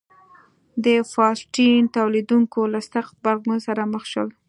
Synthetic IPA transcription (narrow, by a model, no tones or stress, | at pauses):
d̪əfɑsʈint̪awlid̪uŋkolasaqbaɣnusaɾaməxʃəl